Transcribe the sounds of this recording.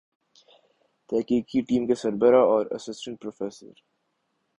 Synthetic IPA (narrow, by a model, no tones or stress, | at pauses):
t̪ɛːkiːkiʈiːmkesɐɾbəɾaɔːɾɐ̰sɪsʈə̃ɳʈ̚pɾoːfeːsə̰ɾ